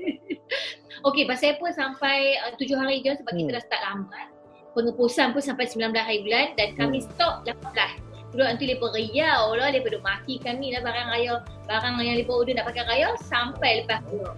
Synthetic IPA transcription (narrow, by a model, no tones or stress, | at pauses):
okepasajpunsampajət̪ud͡ʒʊhɦaɾid͡ʒɔsəbaɡit̪əlasə̥t̪aʔlambat̪̚ | pəŋəpusanpʊnsampajsəmbilanbəlasɦaɾibulandankamĩsət̪ɔp̚lapabəlasulɔʔənt̪ulebərəjawlɔlebədoʔmakikamilahbaɾaŋrajɔbaɾaŋjaŋlebəudənaʔpakajɾajɔsampajləpasujɔ